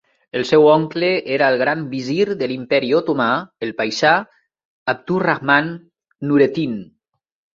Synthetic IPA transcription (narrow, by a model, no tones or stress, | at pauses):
elˠsɛwɔŋkleeɾaelˠɣɾambiziɾðelimpɛɾiot̪umaelˠpajsa | ap̚t̪uraɣmanː | uɾet̪in